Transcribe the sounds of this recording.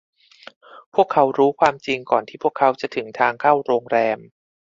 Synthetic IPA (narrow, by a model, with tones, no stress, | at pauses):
pʰu˥˩əkʰːa˦˥wɾuː˦˥kʰwaː˧mt͡ɕi˧ŋkɔː˨˩nt̪ʰiː˥˩pʰu˥˩kʰːa˦˥wt͡ɕa˨˩t̪ʰɯ˩˦ŋt̪ʰaː˧ŋkʰaː˥˩wɾoː˧ŋɾɛː˧m